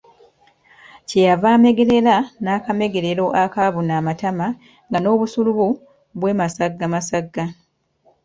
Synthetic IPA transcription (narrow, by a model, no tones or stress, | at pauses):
cejavaːme̞ɡe̞ɾe̞lanaːkame̞ɡe̞ɾe̞ɾo̞ʔakaβunaːmatama | ŋɡano̞ːβusuluβu | βwe̞ːmasaɡːamasaɡːa